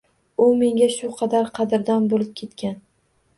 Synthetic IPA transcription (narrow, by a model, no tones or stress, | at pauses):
ʊme̞ŋɡʲaʃʊqʰɑd̪aɾqʰɑd̪ɪɾd̪anbolɪp̚kʲʰe̞t̪kʲʰan